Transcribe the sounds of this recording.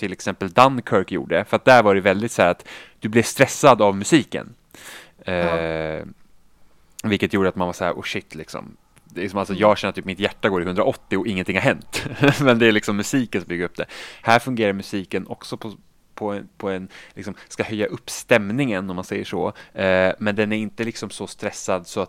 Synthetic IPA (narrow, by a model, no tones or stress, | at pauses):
t̪ʰɪlɛksɛmpəld̪ankʰœɾkjṵːɖəfœɾat̪̚d̪æɾvaɾɛvɛld̪ɪt̪sæːɾat̪d̪̥ɵblɛst̪ɾɛsːad̪avmɵsiːkə̰n | vɪlkːət̪juːɖəat̪manvashæ̰ːɾʔɔ̰ʃɪt̪ːlɪksɔ̰m | d̪lɪksɔmalsɔjɑːɡɕɛnːət̪yːp̚mɪt̪jæʈːaɡoːɾɪhɵnd̪ɾaʔɔt̪ːɪɔʔɪŋːənt̪ɪŋhaɾɦɛnt̪mɛnd̪ɛæɾɭɪksɔmːɵsiːkənsɔmbʏɡːaɾɵp̚d̪ɛ̰hæːɾfɵŋɡeːɾaɾmɵsiːkənʔɔksɔpʰɔ | pʰɔɛpʰɔɛnlɪksɔmskahœjːaʔɵpːst̪ɛmnɪŋənːɔmansɛjːəʂɔ̰ | mɛnd̪ɛnæɾɪnt̪əlɪksɔmsɔst̪ɾɛsːad̪sɔat̪